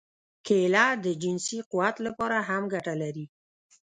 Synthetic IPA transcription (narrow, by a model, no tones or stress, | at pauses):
kʰelad̪əd͡ʒɪnsiquwat̪lapɑɾaɦamɡaʈalaɾi